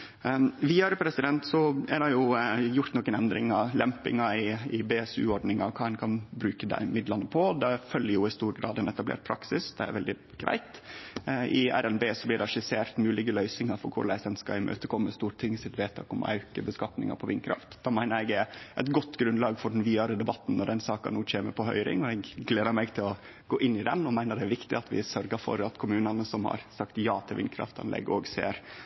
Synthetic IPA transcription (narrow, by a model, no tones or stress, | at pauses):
ʋiːɑɾəpʰɾɛsɪd̪ɛnt̪sɔæɖɑjʊjʊɾt̪nɔkːənɛnd̪ɾɪ̰ŋɑlɛmpɪ̰ŋɑɪɪbeːɛsʉ̰ːɔɖnɪŋɑkʰɑːɛnkʰɑnbɾʉːkəd̪æ̰ɪmɪd̪lɑnːəpʰɔd̪ɛfœljəjʊɪst̪uːɾɡɾɑ̰ːd̪ɛnɛt̪ɑblḛːɾʈ̚pʰɾɑksɪsd̪ɛæ̰ɾʋɛld̪ɪ | ɡ̥ɾʔæ̰ɪt̪ | ʔɪæɾɛnbeːsɔblɪɖɛʂɪseːɾt̪mʉːlɪɡəlœʏsɪŋɑɾfɔɾkʰʊ̰ɾɭæɪsɛnskɑ̰ɪmʔø̰ːt̪əkʰɔmːəst̪uːɾt̪ʰɪŋːsɪt̪ʋeːt̪ʰɑ̰ːkɔmɔ̰ʔɑ̰ʉkəbəskɑt̪nɪ̰ŋɑ̰ɾpʰɔʋɪnkʰɾɑ̰ft̪d̪̥ɑːmæɪnəɾɛɡ̪æʔɛt̪ɡɔt̪ːɡɾʉnlɑːɡfɔɖɛnʋiːɑɾəd̪ɛbɑt̪ːn̩nɔɖɛnsɑːkɑ̰nuːc͡çʰeːməɾpʰɔɦœ̰ʏɾɪ̰ŋɔɛɡɡleːd̪əɾmɛɡt̪ʰɪlɔ | ɡoːʔɪnːɪd̪ɛ̰nɔmæɪnəɖ̪ɛæɾʋɪkt̪ɪ̰ɑt̪ʋɪ̰sœɾɡəɾfɔ̰ɾɑt̪kʰʊmʉːnɑnəsɔmhɑ̰ɾsɑkt̪jɑːt̪ʰɪlʋɪ̰nkʰɾɑ̰ft̪ɑ̰nlʔɛ̰ɡɔːɡsḛːɾ